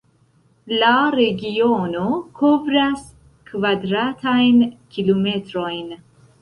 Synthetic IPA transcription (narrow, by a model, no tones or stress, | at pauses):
laɾeɡiono̞kʰo̞vɾas | kvadɾatʰajnkilome̞tɾo̞jn